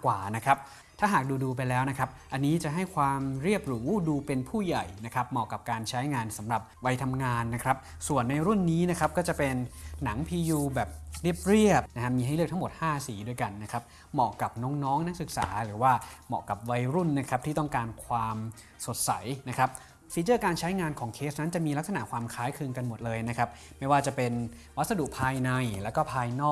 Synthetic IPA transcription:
kwaː˨˩na˦˥kʰɾa˦˥p̚ | t̪ʰaː˥˩ɦaː˨˩k̚duː˧duː˧p̬a˧jlɛː˦˥wna˦˥kʰɾa˦˥p̚ʔa˧nːiː˦˥t͡ɕa˨˩ʔɦa˥˩jkʰwaː˧mɾi˥˩əp̚ɾuː˩˦duː˧pe˧npʰuː˥˩ja˨˩jna˦˥kʰɾa˦˥p̚mɔː˨˩kːa˨˩p̚kaː˧nt͡ɕʰa˦˥jŋaː˧nsa˩˦mɾa˨˩p̚wa˧jt̪ʰa˧mŋaː˧nːa˦˥kʰɾa˦˥p̚ | su˨˩ənːa˧jɾu˥˩nːiː˦˥na˦˥kʰɾa˦˥p̚kɔː˥˩t͡ɕa˨˩pe˧nːa˩˦ŋpʰiː˧juː˧bɛː˨˩p̚ɾi˥˩əp̚ɾi˥˩əp̚na˦˥ha˦˥miː˧a˥˩jlɯ˥˩k̚t̪ʰa˦˥mo˨˩t̪̚haː˥˩siː˩˦du˧əjka˧nːa˦˥kʰa˦˥p̚ | mɔ̰ː˨˩ka˨˩p̚nɔ˦˥ŋnɔː˦˥ŋna˦˥k̚sɯ˨˩k̚sa̰ː˩˦ɾɯː˩˦waː˥˩mɔ̰ː˨˩ka˨˩p̚wa˧jɾu˥˩nːa˦˥kʰɾa˦˥p̚t̪ʰiː˥˩t̪ɔ˥˩ŋkaː˧nkʰwaː˧m | so˨˩t̪̚sa˩˦jna˦˥kʰɾa˦˥p̚ | fiː˩˦t͡ɕɤː˥˩kaː˧nt͡ɕʰa˦˥jŋaː˧nkʰɔː˩˦ŋkʰeː˦˥sna˦˥nt͡ɕa˨˩miː˧la˦˥k̚sa˧na̰˨˩kʰwaː˧mkʰaː˦˥jkʰɯ˧ŋka˧nmo˨˩t̪̚lɤː˧jna˦˥kʰɾa˦˥p̚ma˥˩jwaː˥˩t͡ɕa˨˩pe˧n | wa˦t̪̚sa˧du˨˩ʔpʰaː˧jna˧jlɛː˦˥wkɔː˥˩pʰaː˧jnɔː˥˩

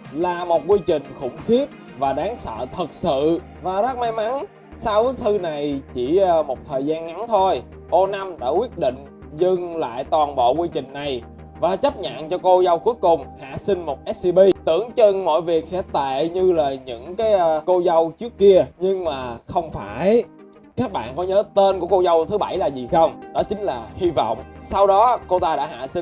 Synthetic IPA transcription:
laː˨˩mo˨˩t̚kwi˧t͡ɕï˨˩ŋ̟xʊ̰˧˩ŋ͡mxi˦˥əp̚ | vaː˨˩ɗaː˨˦ŋsə̰ː˧˨t̪ʰə˨˩t̚sɨ̰˧˨ | vaː˨˩za˦˥t̚ma˨˦jma˨˦n | saː˧wkaː˨˦jt̪ʰɨ˧na˨˩jt͡ɕi˧˩˧mo˨˩t̚t̪ʰəː˨˩jzaː˧nŋa˨˦nt̪ʰo˧j | ʔo˧na˧mɗa̰ː˧˥kwi˦˥ət̚ɗḭ˧˨ŋ̟ | zɨ˧ŋla̰ː˧˨jt̪waː˨˩nɓo̰˧˨kwi˧t͡ɕï˨˩ŋ̟na˨˩j | vaː˨˩t͡ɕə˦˥p̚ɲa̰˧˨nt͡ɕɔ˧ko˧za˧wku˨˦əjkʊ˨˩ŋ͡mha̰ː˧˨sï˧ŋ̟mo˨˩t̚ʔɛ˦˥s̚si˧ɓi˧t̪ɨ̰˧˩əŋt͡ɕə˧ŋmɔ̰˧˨jvi˨˩ək̚sɛ̰˧˥t̪ḛ˧˨ɲɨ˧laː˨˩ɲɨ̰˧˥ŋkaː˨˦jko˧za˧wt͡ɕɨ˦˥əkːi˧əɲɨ˧ŋmaː˨˩xə˧wŋ͡mfaː˧˩j | kaː˦˥k̚ɓa̰ː˧˨nkɔ˨˦ɲəː˨˦t̪e˧nku˧˩əko˧zə˧wt̪ʰɨ˨˦ɓa˧˩jlaː˨˩zi˨˩xə˧wŋ͡mnɔ˨˦t͡ɕï˨˦ŋ̟laː˨˩hi˧vɔ̰˧˨wŋ͡msa˧wɗɔ˨˦ko˧t̪aː˧ɗa̰ː˧˥ɦa̰ː˧˨si˧ŋ

